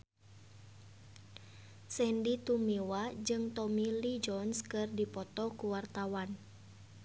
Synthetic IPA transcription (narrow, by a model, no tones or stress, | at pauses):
sɛndit̪umiwad͡ʒɨŋt̪ɔmilid͡ʒɔnskɨrdipɔt̪ɔkuwart̪awan